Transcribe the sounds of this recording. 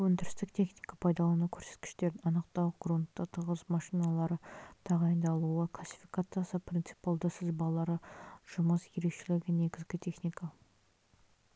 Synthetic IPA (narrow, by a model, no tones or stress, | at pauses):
wɵnd̪ɪɾɪst̪ɪkt̪ʰe̞χnijkapʰɑjd̪ɑlˠɑnukʲʰɵɾse̞t̪kʲɪ̥ʃt̪e̞ɾɑnəqt̪ɑwɡront̪ːət̪ʰəʁəzmɑʃijnɑlˠɑɾət̪ʰɑʁɑjənd̪ɑlˠuəqlˠasʲːi̥fijkat̪sɨjɑsəpʰrʲint̪sɨ̥palˠd̪əsɪzbɑlˠɑɾəʒ̥ʊməsje̞ɾe̞kʃe̞lɪɡʲɪne̞ɡʲɪzɡʲɪt̪ʲʰe̞χnijka